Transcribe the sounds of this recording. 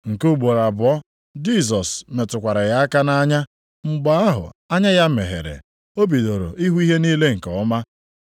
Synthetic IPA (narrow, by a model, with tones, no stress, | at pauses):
ŋ̩˨ku˦˨ɡ͡bo˨ɾa˨bʊ˨ɔ˦ | d͡ʒi˦s̬ɔ˨sme˨tʊ˨kʷa˨ɾa˨ja˦a˦ka˦na˦ɲa˦ | ŋ͡m̩˨ɡ͡ba˦a˦ɦʊ̰˨a˦ɲa˦ja˦me˨ɦḛ˨ɾḛ˨ | o˦bi˨do˨ɾo̰˨ʔi˦ɦu˦i˦ɦe˦niː˦le˦ŋ̩˨kɔ˨ʊ˦ma˦